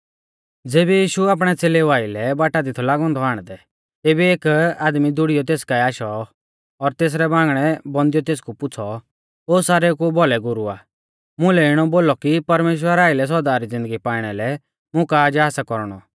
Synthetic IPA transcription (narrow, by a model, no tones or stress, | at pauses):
d͡zeːbɛjiːʃuaːp̬ɽ̃ɛt͡seːleʋaːilɛbaːʈad̪ɪt̪ʰɔlaːɡɔ̃ːnd̪ʱɔaːɽ̃d̪ɛ | t̪eːbieːkaːd̪mid̪ʊɽijɔt̪̬eːskaiaːʃɔ | ɔɾt̪eːs̬ɾɛbãːŋɡɽ̃ɛbɔ̃nd̪ijɔt̪eːs̬kupʊt͡sʰɔ | oːsaːɾekubɔlɛɡʊɾua̰ː | mʊ̃lɛɪɽ̃ɔboːlɔkipɐɾmeːʃ̬wəɾaːɪlɛs̬ɔɾd̪aːɾid͡zɪ̃nd̪əɡipaːɪɽ̃ɛlɛ | mʊ̃kaːd͡ʒɦaːsakɔɾɽ̃ɔ̰